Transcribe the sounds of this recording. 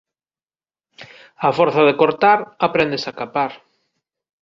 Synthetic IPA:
afɔɾθaðekoɾt̪aɾapɾɛnd̪esakapaɾ

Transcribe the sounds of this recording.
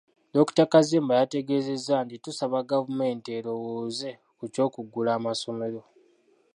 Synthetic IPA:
doku̥takazeːmbajate̞ɡe̞ːze̞zːantitusaβaɡavume̞ːnteːɾo̞woːze̞ | kuco̞ːkuɡːulaːmaso̞me̞ɾo̞

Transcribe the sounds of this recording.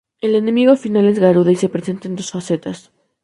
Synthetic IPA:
e̞le̞nemiɣo̞finale̞zɣaɾuðoise̞pɾe̞se̞nt̪aend̪o̞sfase̞t̪as

